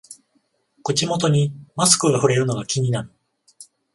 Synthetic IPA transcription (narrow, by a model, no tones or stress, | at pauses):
kot͡ɕimo̞t̪o̞ɲ̟imasɨ̥kɯ̟ɡaɸɯ̟ɾe̞ɾɯ̟no̞ɡakʲiɲ̟inaɾɯ̟